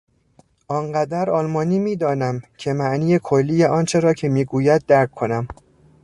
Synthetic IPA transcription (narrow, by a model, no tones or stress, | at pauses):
ʔɒːŋɢæd̪æɾɒːlmɒːniːmiːd̪ɒːnæmcʰe̞mæʔniːjekʰolːiːjeʔɒːnt͡ʃʰe̞ɾɒːcʰe̞miːɡuːjæd̪̚ːæɾkʰːo̞næm